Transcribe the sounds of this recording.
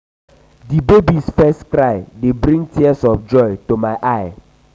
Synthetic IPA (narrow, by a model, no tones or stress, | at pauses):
dibebisfɛstkɾaɪdebɾĩŋtʰiɛsɔfd͡ʒɔjtomaɪʔaɪ